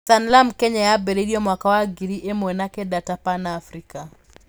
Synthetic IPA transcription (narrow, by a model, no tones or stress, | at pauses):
sanlamkɛɲajabɛɾediɔmwakawaɡiɾiʔemwɛnakɛdatapanaːfɾika